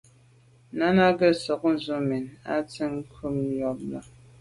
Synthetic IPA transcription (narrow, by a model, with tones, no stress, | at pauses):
na˦na˦ɡə˦sɔ˨k̚n̩˦˨zu˦me˨na̰˦tə˦ŋ˦kʰu˦m˦jɔ˦p̚la˦